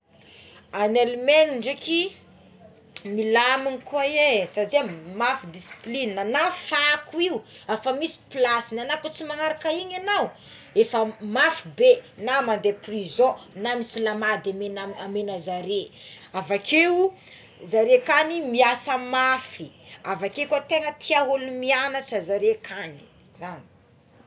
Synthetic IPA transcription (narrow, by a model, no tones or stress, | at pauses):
anelmeniɳɖ͡ʐeki | milaminikuajesaziamafid̪isi̥plinənafakuiuafamisi̥plasinanakut͡simaŋaɾakaiɲanaw | efəmafibenamand̪eprizõnamisilamad̪amenaamenəzaɾe | avakʰeu | zaɾekanimiasəmafiavakekat̪eŋət̪ʰiaɦulumianaʈ͡ʂəzaɾekʰani̥ | zani̥